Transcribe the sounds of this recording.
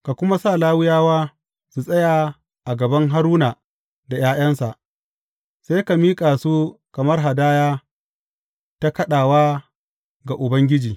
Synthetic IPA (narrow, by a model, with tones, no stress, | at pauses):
ka˨kʷʊ˦ma˦saː˦˨laː˦wɪ˦jaː˦waː˦ | su˨sʼɐ˦jaː˨ | ʔa˨ɡɐ˨bɐ˦ŋɦa˦ɾuː˦naː˨ | da˨jaː˦j̰ɐ˦nsa˨ʔ | seː˦jka˨miː˦kʼaː˨su˦kɐ˨mɐ˦rɦa˨daː˦jaː˦ | ta˦kɐ˦ɗaː˨waː˦ | ɡa˨ʔʊ˨bɐ˦ŋɡʲɪ˦d͡ʒiː˨